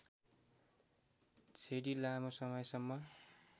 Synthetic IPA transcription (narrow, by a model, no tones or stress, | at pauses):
t͡sʰeɽilamosʌmʌjsʌmːʌ